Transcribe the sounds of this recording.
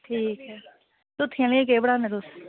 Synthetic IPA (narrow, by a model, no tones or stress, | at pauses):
ʈʰiːkɦɛː | t̪ʊt̪ʰːĩlːẽk̬eːbəɽaːneːt̪ʊs